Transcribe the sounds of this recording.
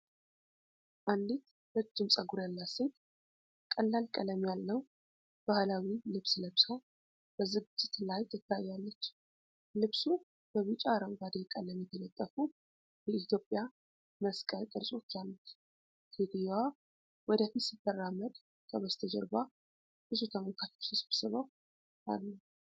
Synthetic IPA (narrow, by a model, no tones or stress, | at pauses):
ʔand̪it̪ | lət̪ːɨmsʼəɡuɾəlːaset̪ | kʼəlːalkʼələmjalːəw | b̥ahlawilɨβsləβsa | b̥əzɨɡɨd͡ʒːɪt̪lajt̪ʰɨt̪ʰːajːalːət͡ʃː | lɨβsu | b̥əβɨt͡ʃʼaɾəŋɡad̪ejkʼələmjɛt̪ʰələt̪ʼːəfu | bəit̪ʰjo̞pʼja | məskʼək̪ʼɨɾsʼot͡ʃːalːət̪ | hed̪ijwa | wɔd̪at̪ɨsɨt̪ːəraməd̪ | kʰəβəst̪ʰəd͡ʒə̰ɾba | bɨsut̪ʰəməlkʰat̪ʰu̥sɨsɨβsɨβəw | ʔa̰lːəw